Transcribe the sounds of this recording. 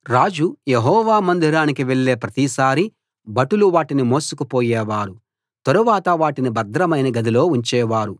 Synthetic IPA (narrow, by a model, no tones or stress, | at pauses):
ɾaːd͡ʒujeɦɔːʋaːmɐnd̪ʱiɾaːnikiʋeɭːeːpɾɐt̪isaːɾi | bɐʈuluʋaːʈinimo̞ːsukupoːjɛːʋaːɾu | t̪ɐɾuʋaːt̪ɐʋaːʈinibɐd̪ɾɐmɐjnɐɡɐd̪ilo̞ːuɲt͡ʃɛːʋaːɾu